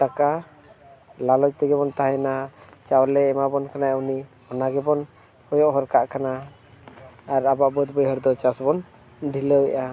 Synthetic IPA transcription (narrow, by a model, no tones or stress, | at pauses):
t̪aka | lalɔd͡ʒt̪ɛɡɛbɔnt̪aɦɛnat͡ʃawlɛːmabɔnkanauni | ɔnaɡɛbɔn | hɔjɔʔɦɔɾkaʔkana | ɾabaʔbəd̪̚bəjɦəɾd̪ɔt͡ʃasbɔn | ɖʱiləwɛʔa